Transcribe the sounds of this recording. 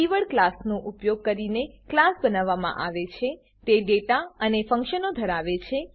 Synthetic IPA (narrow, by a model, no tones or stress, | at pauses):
iʋəɭklasnoʔupjoɡ̚kəɾineklasbənaʋːamã̰ʔaʋet͡ʃʰe | t̪eɖeʈaənefə̃ŋkʃənod̪ʱəɾaʋet͡ʃʰe